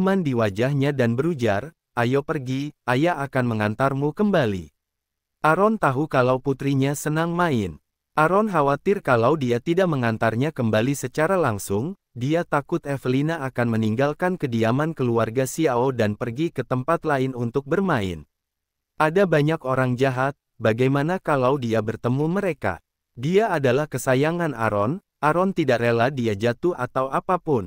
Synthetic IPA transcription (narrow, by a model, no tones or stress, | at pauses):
mandiwad͡ʒahɲadanbəɾud͡ʒar | ʔajopərɡiajaʔakanməŋant̪armukəmbalḭ | ʔaɾɔnt̪aɦukalawput̪ɾiɲasənaŋmaɪn | ʔaɾɔnɦawat̪ɪrkalawdiat̪idak̚məŋant̪arɲakəmbalisət͡ʃaɾalaŋsʊŋ | diat̪akʊt̪ɛfəlinaʔːkanməniŋɡalkankədiamankəluarɡasiaodanpərɡikət̪əmpat̪laɪnunt̪ʊk̚bərmaɪ̰n | ʔadabaɲakoɾaŋd͡ʒaɦat̪̚baɡajmanakalawdiabərt̪əmuməɾeka̰ | diaːdalahkəsajaŋana̰ɾɔn | ʔaɾɔnt̪idaʔreladiad͡ʒat̪uhat̪awʔapapʊn